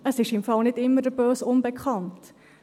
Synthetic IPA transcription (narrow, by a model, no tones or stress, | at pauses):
əsɪʃɪmfɑlˠnɪtɪmːərdəbøːsɔnbəkʰχɑnt